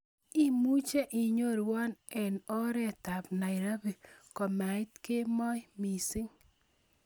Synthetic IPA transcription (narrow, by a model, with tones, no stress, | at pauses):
i˦mu˦t͡ʃe˦ʔi˨ɲo˦ɾwɔ˦nɛ˨nɔ˦ɾɛ˦ta˨pna˨ɪ˨ɾa˦bi˨kɔ˨ma˨ɪ˦t̪ke˦mɔ˦jmi˨sɪ˦ŋ